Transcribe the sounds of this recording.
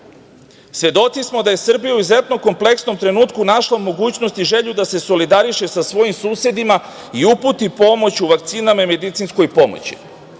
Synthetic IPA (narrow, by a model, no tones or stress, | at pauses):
sʋʲe̞d̪o̞t̪sismo̞d̪aje̞sr̩bijauize̞t̪noko̞mple̞ksno̞mt̪ɾe̞nuːt̪kunaʃlaumo̞ɡuːt͡ɕno̞st̪iʒe̞ʎud̪ase̞so̞lid̪aɾiʃe̞sasʋo̞jimsuːsje̞d̪ima | iuput̪ipo̞mo̞t͡ɕuʋak̚t̪siːnamame̞d̪it̪sinsko̞jpo̞mo̰t͡ɕi̥̰